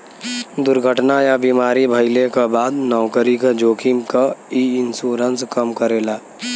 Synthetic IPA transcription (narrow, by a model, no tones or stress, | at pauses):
d̪ʊɾɡʱəʈnajabiːmaːɾibʱəɪlekabaːd̪nɔːkəɾikad͡ʒoːkʰimkaiɪnsuːɾənskəmkəɾeːlaː